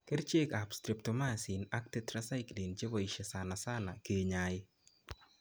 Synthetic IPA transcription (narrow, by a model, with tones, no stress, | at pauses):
ke˦ɾt͡ʃe˦ka˨pstɾɪ˨p̚to˨ma˦˨si˨na˦k̚te˦tɾa˦sa˦ɪkli˨nt͡ʃe˦bɔ˨i˨ʃe˨sa˨na˨sa˦na˨ke˨ɲa˨ɪ˦